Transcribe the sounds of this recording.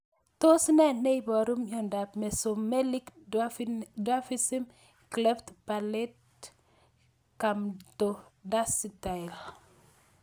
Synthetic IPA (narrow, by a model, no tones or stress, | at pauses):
tosnɛnejbɔɾumjɔndapmesomelik | dafisim | klɛftpalet̚ | kamtodasital